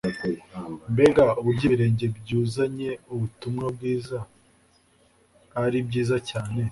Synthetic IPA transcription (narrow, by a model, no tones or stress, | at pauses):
mbe̞ɡauβuɾɟiːiɾe̞ːɲɟe̞bɟuːzaɲe̞uβutumŋabɡiːza | ɾibɟiːzacaːne̞